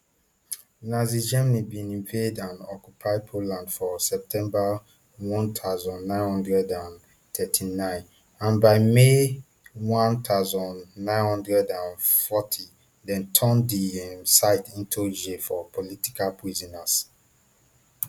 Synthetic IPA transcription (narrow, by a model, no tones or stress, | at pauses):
nazid͡ʒɛmnibĩnĩmpʰedãnɔkjupʰaɪpʰolãndfɔsɛp̚tʰɛ̃mba | wɔ̃ntʰaʊzɔ̃nːãɪ̃nhɔ̃ndɹɛdãn | tʰɛtʰinãɪ̃n | ãnbaɪme | wɔ̃nt̪ʰaʊzɔ̃nːãɪ̃nhɔ̃ndɹɛdãnfɔtʰi | dɛ̃ntʰɔ̃ndiɛmsaɪtʰĩntʰud͡ʒefɔpoliti̥kalpʰɹizɔnas